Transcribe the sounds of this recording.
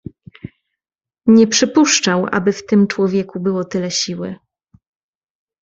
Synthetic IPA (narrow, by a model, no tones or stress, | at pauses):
ɲɛpʂɘpuʂt͡ʂawʔa̰bɘft̪ɘmt͡ʂwɔvʲjɛkubɘwɔt̪ɘlɛɕiwɘ̰